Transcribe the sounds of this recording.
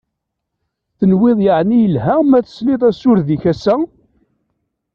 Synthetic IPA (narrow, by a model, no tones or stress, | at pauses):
θənwɪðˤjəʕnijəlɦæmæθə̥slɪðˤæsʊɾðiçæsːæ